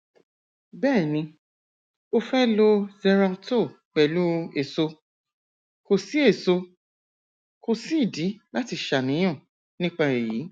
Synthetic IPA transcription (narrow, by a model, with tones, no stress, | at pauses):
bɛ˦˨nĩ˧ | o˧fɛ˦lo˧zɛ˧ɾã˧to˦˨ | k͡pɛ˨lu˦e˨so˧ | ko˧si˦e˦˨so˧ | ko˧si˦i˦˨di˨˦la˦ti˧ʃa˨nĩ˨˦j̃ɔ̃˦˨ | nĩ˦k͡pa˧e˨ji˨˦